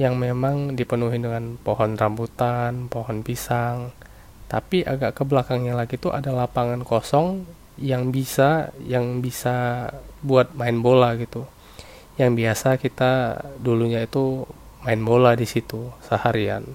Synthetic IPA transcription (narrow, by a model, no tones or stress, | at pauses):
jaŋmemaŋdipənuɦindəŋanpoɦɔnrambut̪anpɔhɔnpisaŋ | t̪apiʔa̰ɡaʔkəblakaŋɲalaɡit̪uʔa̰dalapaŋankosɔŋ | jaŋbisajaŋbisabuat̪̚maɪnbolaɡit̪u | jaŋbiasakit̪aduluɲait̪u | maɪnboladisit̪usəhaɾia̰n